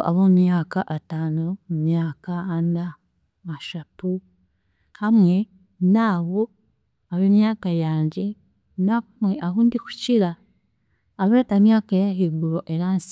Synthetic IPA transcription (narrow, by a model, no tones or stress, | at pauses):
a̰βomumjaːkaʔataːnoumjaːkaːna | maʃapu | hamŋe̞ | naːβo | aβemjaːkajaːɲɟe̞ | nakumweʔaɦuːndiku̥ciɾaː | βetamjaːkajaɦiɡuɾo̞ʔe̞ɾaːnsi̥